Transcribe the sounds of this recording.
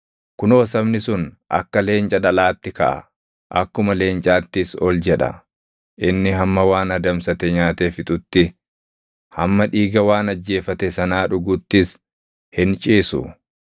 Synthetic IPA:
kʊnoːsɐbnɪsʊn | ʔɐ̰kːɐle̞ːnt͡ʃʼɐᶑɐlaːt̪ːɪkɐ̰ʔɐ̰ | ʔɐ̰kːʊmɐle̞ːnt͡ʃʼaːt̪ːɪsɔld͡ʒɛᶑɐ̰ | ʔɪnːɪɦɐmːɐwaːnɐd̪ɐmsɐt̪ɛɲaːt̪efɪt̪ʼʊt̪ːɪ | hɐmːɐᶑiːɡɐwaːnɐd͡ʒːe̞ːfɐt̪ɛsɐnaːᶑʊɡʊt̪ːɪs | hɪnt͡ʃʼiːsʊ̰

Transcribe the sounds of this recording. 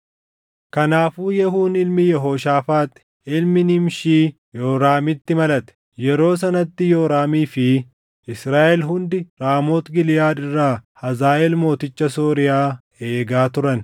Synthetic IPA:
kɐnaːfuːjɛɦuːnɪlmɪjɛɦoːʃaːfaːt̪ʼɛ̥ | ɪlmɪnɪmʃiː | joːɾaːmɪt̪ːɪmɐlɐt̪ɛ̥ | jɛɾo̞ːs̬ɐnɐt̪ːɪjoːɾaːmiːfɪ | ʔɪsɾaːʔɛlɦʊnd̪ɪɾaːmoːt̪ɡɪlɪjaːᶑɪrːaːhɐzaːʔɛlmo̞ːt̪ɪt͡ʃːɐsoːɾɪjaː | e̞ːɡaːt̪ʊɾɐn

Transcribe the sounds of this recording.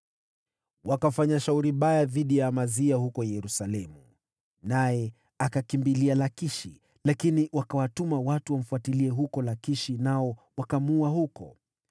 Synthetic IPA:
wakafaɲaʃauɾiɓajaðiɗijamaziahukɔjɛɾusalɛmu | najɛ | akakimbilialakiʃi | lakiniwakawatumawatuwam̩fuatiliɛɦukɔlakiʃinaɔwakamuahukɔ̰

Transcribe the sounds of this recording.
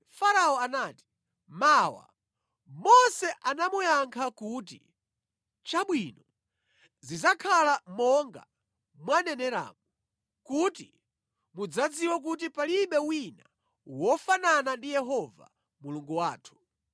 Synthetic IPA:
faɾaɔanaːti̥ | maːwa̰ | mɔsɛʔanamujaŋkʰakuːti | t͡ʃaɓwinɔ | zizakʰalamɔŋɡa̰ | mwanɛnɛɾa̰ːmu | kuti | mud͡zad͡ziwak̬ut̬ipaliɓɛwina | wɔfananandijɛɦɔva̰ | muluŋɡuwaːtʰu̥

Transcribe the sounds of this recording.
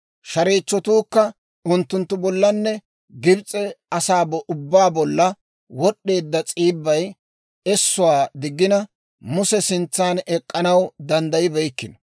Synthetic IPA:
ʃɐɾiːt͡ʃːɔt̪uːkːɐ | ʊnt̪ːʊnt̪ːʊbɔlːɐnːɛ | ɡɪbt͡sʼɛɐsaːbɔʔʊbːaːbɔlːɐ | wɔɗːe̞ːd̪ːɐt͡sʼiːbːɐj | ɛsːʊwaːd̪ɪɡːɪnɐ | mʊsɛsɪnt͡sːaːnɛkʼːɐnɐwd̪ɐnd̪ɐjɪbɛjkːɪnɔ

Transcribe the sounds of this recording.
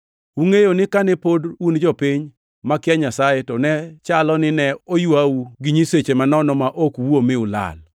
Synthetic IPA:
uŋejonɪkanɛpodund͡ʒɔpiɲ | makɪaɲasajetɔnɛt͡ʃalɔnɪnɛojwauɡɪɲiset͡ʃemanɔnɔmaʔokwomɪʊla̰l

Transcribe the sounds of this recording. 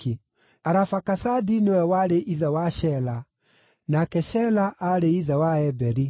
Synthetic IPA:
i | aɾafakasadinewɛwaɾeʔiðɛwaʃɛla | nakɛʃɛlaʔaɾeiðɛwaɛbɛɾi

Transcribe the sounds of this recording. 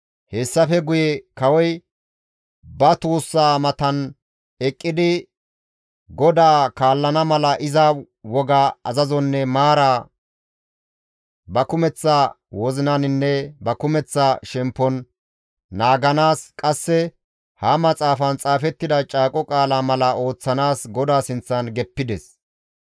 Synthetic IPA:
hɛsːɐfɛɡʊjɛkɐwɔj | bɐt̪uːsːaːmɐt̪ɐn | ɛkʼːɪd̪ɪ | ɡɔd̪aːkaːlːɐnɐmɐlɐʔɪzɐ | wɔɡaɐzɐzɔnːɛmaːɾaː | bɐkʊmɛt͡sːa | wɔzɪnɐnɪnːɛbɐkʊmɛt͡sːaʃɛmpːɔnː | aːɡɐnaːskʼɐsːɛ | hɐmɐt͡sʼaːfɐnt͡sʼaːfɛt̪ːɪd̪ɐt͡ʃʼaːkʼɔkʼaːlaːmɐlɐo̞ːt͡sːɐnaːsɡɔd̪aːsɪnt͡sːɐnɡɛpːɪd̪ɛs

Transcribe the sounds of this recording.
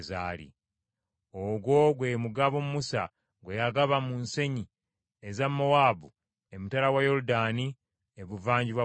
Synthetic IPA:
za̰ːlḭ | oɡwo̞ɡwe̞muɡaβomumusa̰ | ɡwejaɡaβamunse̞ɲi | ezamːowaːbu | emutalawajo̞ɾudaːni | eβuvaːɲɟiβwa

